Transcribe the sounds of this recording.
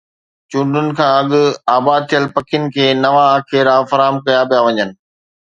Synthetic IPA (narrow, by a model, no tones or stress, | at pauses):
t͡ɕũːɖʱʊnɪ̆kʰãːɐɠʊaːbaːd̪̚t̪ʰijəlpɐkʰɪjʊnɪ̆kʰeːnɐʋaːkʰeːɾaːfɐɾaːmkɐjapijaʋɐɲənɪ̆